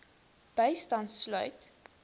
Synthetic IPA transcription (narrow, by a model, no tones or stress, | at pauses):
b̥əjstɐntslœ̰ɥt